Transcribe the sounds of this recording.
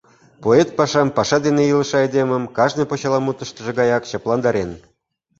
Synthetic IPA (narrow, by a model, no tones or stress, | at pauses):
poet̪̚pɑʃɑmpɑʃɑd̪eneilə̆ʃɑed̪emə̆mkɑʒnɤ̆jpot͡ɕɑlˠɑmut̪ə̆ʃt̪ə̆ʒĕɡɑjɑkɕɑplˠɑnd̪ɑɾen